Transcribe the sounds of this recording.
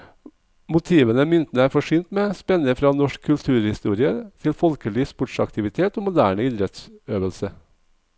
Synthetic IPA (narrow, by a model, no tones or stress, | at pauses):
mʊt̪ʰiːʋənəmʏnt̪nəæːɾfɔʂyːnt̪meːspɛnːəfɾɑːnɔʂkʰːʉlt̪ʰʉːɾhɪst̪uːɾɪət̪ʰɪlfɔlkəlɪːspɔʈʂɑ̰kt̪ʰɪʋɪt̪ʰeːt̪oːmʊd̪æːɳəiːd̪ɾɛt̪søːʋəlsə